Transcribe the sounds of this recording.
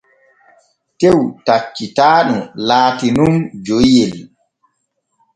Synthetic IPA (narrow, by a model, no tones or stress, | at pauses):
tewtat͡ʃːitaːɗumlaːtinumd͡ʒojɛl